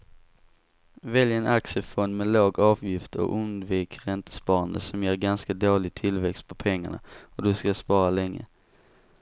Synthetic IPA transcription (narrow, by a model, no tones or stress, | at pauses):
vɛljɛnaksəfɔnd̪mɛːloːɡɑːvjɪft̪ʰɔ̰ʔɵnd̪viːkɾɛnt̪ə̥spɑːɾand̪ə̰sɔmjeːɾɡanskad̪oːlɪɡ̚t̪ʰɪlvɛkst̪̚pʰɔpʰɛŋːaɳa̰ɔd̪ɵskaspɑːɾalɛŋːə̰